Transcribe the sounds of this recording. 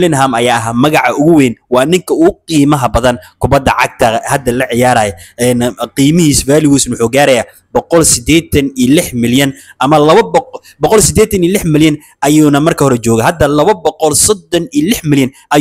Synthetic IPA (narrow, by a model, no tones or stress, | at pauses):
lɪnɦamɐjaːɐɦamɐɣɑʕɑʔʊɣʊwɛːnwɑːnɪŋkʰɐʊɣʊqiːmɐɦɐbɐðɐnkʰʊbɐd̪ːɐ̰ʕɑ̰ɡ̚t̪ʰɐhɐd̪ɐlɐʕɪjaːɾaːjɔɛnqiːmɪhiːsbaːlɪɣuːsnwʊħuːɡaːɾɐjaː | bɔqɔlsɪd̪ɛːt̪ʰɐnilɪħmɪljɐnʔɐmɐlɐβɐb | bɔqɔlsɪd̪ɛːt̪ʰɐniːlɪħmɪljɐn | ʔɐjuːnɐmɐrkʰɐhɔɾɛt͡ʃɔːɣɐɦɐd̪ɐlɐβɐbɔqɔlsɔd̪ːɔniːlɪħmɪljɐn | ʔɐ